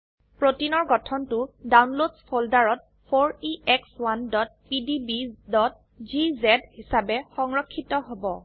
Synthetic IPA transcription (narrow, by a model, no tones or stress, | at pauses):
pɹotinɔɹɡɔtʰɔntʊdawnlodspʰoldaɹɔt̚ | pʰoɹiɛkswandɔt̚pidibidɔt̚ | zizɛdhisabɛxɔŋɹɔkʰːitɔɦobɔ